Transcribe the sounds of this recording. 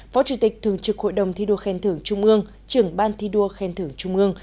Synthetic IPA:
fɔ˨˦t͡ɕu˧˩t̪ï˨˩k̟̚t̪ʰɨ˨˩əŋt͡ɕɨ˨˩k̚ho̰˧˨jɗə˨˩wŋ͡mt̪ʰi˧ɗu˧əxɛ˧nt̪ʰɨ˧˩əŋt͡ɕʊ˧ŋ͡mʔɨ˧əŋ | t͡ɕɨ˨˧˩əŋɓaː˧nt̪ʰi˧ɗu˧əxɛ˧nt̪ʰɨ˧˩əŋt͡ɕʊ˧ŋ͡mʔɨ˧əŋ

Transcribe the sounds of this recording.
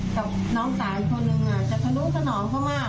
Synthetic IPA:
kaː˧˩w | nɔː˦˥ŋsaː˨˩˦jkʰo˧nːɯ˧ŋʔaː˨˩t͡ɕa˨˩t̪ʰa˧nu˧˦˥sʰa˧nɔː˨˩˦ŋkʰaː˥˩wmaː˥˩

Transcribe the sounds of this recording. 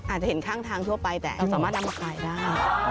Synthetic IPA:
a˨˩t̪̚t͡ɕa˨˩he˩˦nkʰaː˥˩ŋt̪ʰaː˧ŋt̪ʰu˥˩ɐpa˧jt̪ɛ̰ː˨˩a˧wsaː˩˦maː˥˩t̪̚na˧mʔa˧kʰaː˧jdaː˥˩j

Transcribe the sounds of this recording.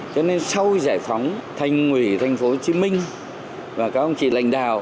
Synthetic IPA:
t͡ɕɔ˧ne˧nsa˧wzaː˧˩jfɔ˨˦wŋ͡mt̪ʰa˨˩jŋ̟ŋwi˧˩t̪ʰa˧˩jŋ̟fo˨˦t͡ɕi˨˦mï˧ŋ̟ | vaː˨˩kaː˨˦k̚ə˧wŋ͡mt͡ɕḭ˧˨la̰˧˨jŋ̟ɗaː˨˩w

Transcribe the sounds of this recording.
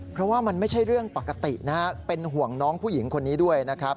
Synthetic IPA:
pʰɾɔ˦˥waː˥˩ma˧nma˥˩jt͡ɕʰa˥˩jɾɯ˥˩əŋpa˨˩kːa˧t̪i˨˩na˦˥pe˧nɦu˨˩əŋnɔː˦˥ŋpʰuː˥˩ji˩˦ŋkʰo˧nːiː˦˥du˥˩əjna˦˥kʰɾa˦˥p̚

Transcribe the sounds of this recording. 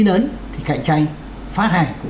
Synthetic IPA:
i˧nəː˨˦nt̪ʰi˨˩ka̰˧˨ŋt͡ɕa˧jŋ̟ | faː˦˥t̚haː˧˩jku˧˩

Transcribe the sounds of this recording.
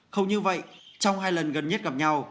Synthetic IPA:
xə˧wŋ͡mɲɨ˧və̰˧˨jt͡ɕɔ˧wŋ͡mhaː˧jlə˨˩nɣə˨˩nɲə˦˥t̚ɣa˨˩p̚ɲa˧w

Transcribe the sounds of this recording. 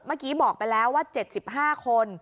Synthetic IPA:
maː˥˩kiː˦˥bɔː˨˩k̚pa˧jlɛː˦˥wːaː˥˩t͡ɕe˨˩t̪̚si˨˩p̚ɦaː˥˩kʰo˧n

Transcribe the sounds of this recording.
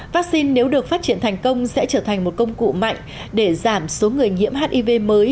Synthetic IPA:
vaː˦˥k̚si˧nːe˨˦wɗɨ˨˩ək̚faː˦˥t̚t͡ɕi˧˩ənt̪ʰa˨˩jŋ̟kə˧wŋ͡msɛ̰˧˥t͡ɕəː˧˩t̪ʰa˨˩jŋ̟mo˨˩t̚kə˧wŋ͡mkṵ˧˨ma̰˧˨jŋ̟ | ɗe˧˩zaː˧˩mso˨˦ŋɨ˨˩əjŋḭ˧˥mɦaː˦˥t̚ʔi˧ve˧məː˨˦j

